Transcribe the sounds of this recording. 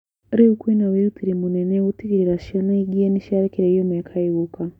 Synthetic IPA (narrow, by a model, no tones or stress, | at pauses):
ɾiukwinawiɾutiɾimunenewutiɡiɾiɾaʃianaiɡieniʃaɾikiɾeijomekʰaiβuka